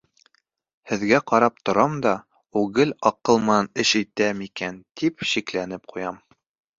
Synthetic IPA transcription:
hɘ̆ðɡæqɑɾɑp̚t̪ŏɾɑmd̪ɑ | uɡɘlɑqɤlˠmɤnɑnɘʃit̪æmikænt̪ʰipʃiklænɘp̚qʰujɑm

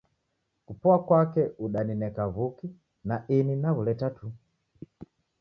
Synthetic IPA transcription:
kupɔakwakɛuɗaninɛkavuki | naʔininaɣulɛtatu

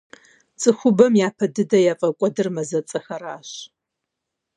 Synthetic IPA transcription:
t͡sʼɨxʷʊbɐmjaːpʰɐdɨdɐjaːfʼɐkʷʼɔdɨrmɐzɐt͡sʼɐxɐɾaːɕ

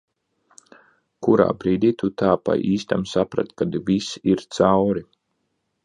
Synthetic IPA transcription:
kuɾa̰ːbɾiːd̪ʲiːt̪ut̪aːpa̰jʔiːst̪amsapɾa̰t̪kad̪visiɾt̪sawɾi

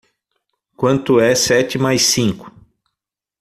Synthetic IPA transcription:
kwɐ̃nt̪ʊɛsɛt͡ʃɪmajsĩŋkʊ̥

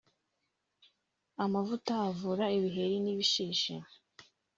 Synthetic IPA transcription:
amavutaːvuɾaiβiɦe̞ɾiniβiʃiːʃḛ

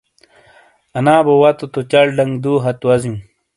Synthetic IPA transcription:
ɐnaːbowɐt̪ot̪ot͡ɕɐɽɖɐŋɡd̪uːɦɐt̪wɐzĩ

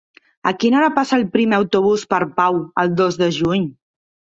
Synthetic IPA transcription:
əkinaɾapasaːlˠpɾimeəwt̪uβ̞uspəɾpawəlˠd̪ozðəʒuɲ

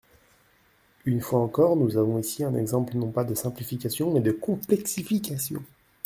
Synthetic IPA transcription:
ynfwaɑ̃kɔʁnuzavɔ̃isiɛ̃nɛ̰ɡzɑ̃plənɔ̃pad̪əsɛ̃plifikʲasjɔ̃mɛd̪əkɔ̃plɛksifikʲasjɔ̰̃

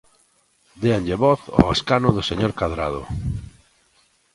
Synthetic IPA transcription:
d̪eanʎeβɔθo̰eskanʊðʊseɲoɾkaðɾa̰ð̞ʊ̰

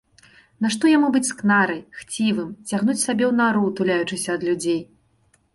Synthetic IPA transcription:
naʂt̪ɔjamubɨt͡sʲsknaɾɐjxt͡sʲivɨmt͡sʲaɣnut͡sʲsabʲɛwnaɾut̪ulʲajut͡ʂɨsʲɐːd̪lʲud͡zʲej

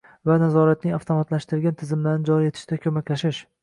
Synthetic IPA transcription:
vanazɒɾat̪̚nɪŋaft̪ʰomat̪laʃt̪ɪɾɪɾɡʲant̪ʰɪzɪmlaɾnɪd͡ʒɒɾije̞t̪ʰɪ̥ʃd̪akʲʰɵmakʲlaʃɪʃ

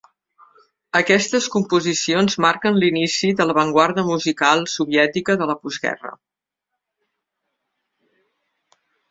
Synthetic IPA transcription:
əkɛst̪əskumpuzisionzmaɾkənlinisiðələβəŋɡwaɾðəmuzikalˠsuβiɛt̪ikəðələpuzɣɛ̰rə̰

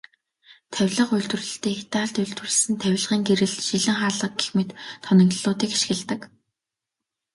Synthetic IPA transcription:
t̪ʰæwʲɮə̆qʊjɮt̪wɵ̆rɮɘ̆ɬt̪eːxt̪aːɮt̪ʊɮt̪wɘ̆ɮsɘ̆nt̪ʰæw̆ʲɮʁiːŋɡeɾɘ̆ɮʃiɮɘ̆ŋχaːɮʁə̆k̚ɡexmeːt̪ʰːɔnʲɞ̆ŋt̪ɮʊːt̪iːkiʃxɘ̆ɮt̪ə̆k

